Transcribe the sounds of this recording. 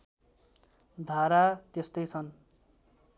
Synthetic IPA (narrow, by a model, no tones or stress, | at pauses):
d̪ʱaɾat̪est̪ʌjt͡sʰʌn